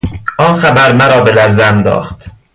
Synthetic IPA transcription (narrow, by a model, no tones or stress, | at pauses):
ʔɒːnxæbæɾmæɾɒːbe̞læɾzænd̪ɒ̰ːχt̪